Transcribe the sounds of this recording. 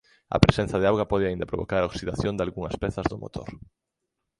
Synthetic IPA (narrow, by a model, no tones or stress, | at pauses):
ɐ̰pɾesẽn̟θɐðeawɣɐpɔðɪaind̪ɐpɾo̰βo̰kaɾaoksiðaθjond̪alɣuŋɐspɛθɐzðʊmo̰t̪ʰo̰ɾ